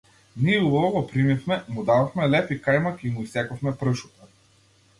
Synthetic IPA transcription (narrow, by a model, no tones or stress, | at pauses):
niɛubavɔɡɔpɾimifmɛmud̪aðɔfmɛlɛfikajmakiimuisɛkɔfmɛpɾəʃut̪a